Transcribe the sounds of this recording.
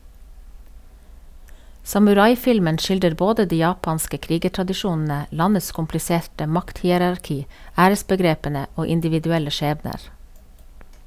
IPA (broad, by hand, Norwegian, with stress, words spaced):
sɑmʉˈɾɑɪˌfɪlmən ˈc͡çɪldəɾ ˈboːdə ˈdiː ˈjɑːpɑnskə ˈkɾiːɡəʈɾɑdɪˌʃuːnn̩ə ˈlɑnəs kʊmplɪˈseːʈə ˈmɑkthiːəɾɑɾˌkiː ˈæːɾəsbəˌɡɾeːpənə ˈoː ɪndɪʋɪdʉˈɛlə ˈʃeːbnəɾ